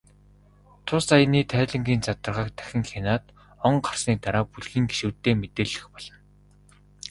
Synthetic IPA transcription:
t̪ʰʊsajniːt̪ʰæːɮə̆ŋɡʲiːnt͡sat̪ə̆rʁaə̆ːk̚t̪æ̥xʲɪ̆ŋxenaːt̪ | ɔɴɢar̥sniːt̪aɾaːpuɮxiːŋɡe̥ʃŭːt̪ːeːmet̪eːɮɘ̆xpɔɮ̥ɞ̆n

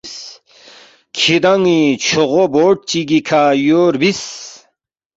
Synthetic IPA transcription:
s | kʰid̪ɐŋit͡ɕʰoʁoboːʈ̚t͡ɕiɡikʰajoːɾbis

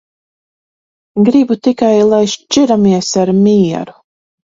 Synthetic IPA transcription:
ɡɾibut̪ikajlˠajʃt͡ʃiɾamiɛsaɾmiɛɾu

